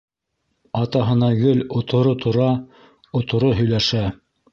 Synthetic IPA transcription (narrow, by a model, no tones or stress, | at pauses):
ɑt̪ɑɦɤ̆nɑɡɵlŏt̪ʰŏɾot̪ʰŏɾɑ | ŏt̪ŏɾoɦɵ̆jlæʃæ